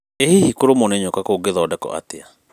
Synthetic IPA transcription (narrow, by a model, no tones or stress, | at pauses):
ehihikoɾomoneɲokakoɡeðɔːdɛkɔ̰ʔa̰tea